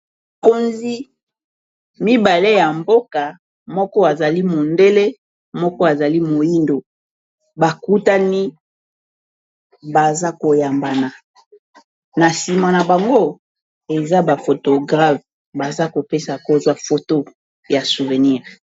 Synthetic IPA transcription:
ko˦nzi˦ | mi˦ba˨le˦ja˨mbo˦ka˨ | mɔ˦kɔ˦a˨za˨li˦mo˨nde˦le˦ | mɔ˦kɔ˦a˨za˨li˦mo˨ji˦ndo˨ | ba˨ku˦ta˦ni˦ | ba˨za˦ko˨ja˨mba˨na˨ | na˨si˨ma˨na˨ba˨ŋɡo˦ | e˨za˦ba˨fo˨to˨ɡʁa˦v | ba˨za˦ko˨pe˦sa˨ko˦zwa˦fo˨to˦ | ja˨su˨ve˨ni˦˨ʁ

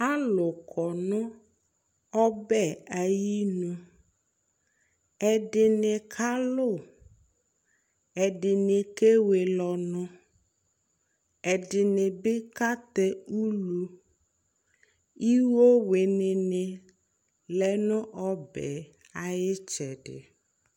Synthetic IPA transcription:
a˦lʊ˨kʰɔ˨nʊ̃˦ | ɔ˦bɛ˦a˨ji˦nũ˦ | ɛ˨ɖɪ˨nɪ̃˨kʰa˦lʊ˦˨ | ɛ˨ɖɪ˨nɪ̃˨ke˦we˨lɔ˨nʊ̃˦ | ɛ˨dɪ˨nɪ˨bɪ˦ka˦t̪ɛ˦u˦lu˦ | i˦wo˦we˨nɪ˨nɪ˨ | lɛ˨nʊ̃˦ʔɔ˦bɛ̰˨ | a˨jɪ˦t͡ʃɛ˨ɖɪ̰˨

